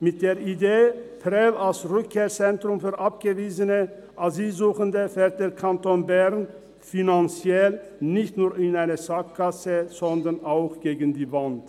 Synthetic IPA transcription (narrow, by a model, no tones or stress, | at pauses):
mɪt̚d̥eːɐideːpʰʁɛlalsʁʏkʰːeːɐt͡sɛntʁ̥ʊmfyːɐʔap̚ɡ̥əviːzənə | ʔaziːlzuːxəndəfɛːɐt̚d̥eːɐkʰantoːnbɛʁn | finant͡sjɛlnɪçtnuːɐɪnaɪnəzak̚kʰːasəz̥ɔndɐnʔaʊxɡ̥eːɡən̩diːvant